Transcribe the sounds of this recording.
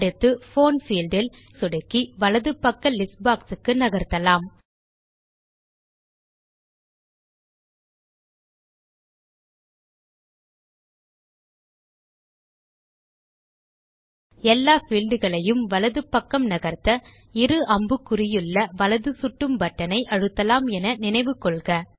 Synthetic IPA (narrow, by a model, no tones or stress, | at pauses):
ɽɯt̪ːɯfoːnfiːld̪ɪl | sʊɽɐkːiʋɐlɐðɯpːɐkːɐlɪsbaːksɯkːɯnɐɣɐɾt̪ːɐlaːm | ɛlːaːfilɖɯɣɐɭɐjɯmʋɐlɐðɯpːɐkːɐmnɐɣɐɾt̪ɐ | ɪɾɯʔɐmbɯkːʊrɪjɯɭːɐʋɐlɐðɯsʊʈːɯmbɐʈːɐnɐɪʔɐɻɯt̪ːɐlaːmɛnɐnɪnɐɪʋɯkːɔɭɣɐ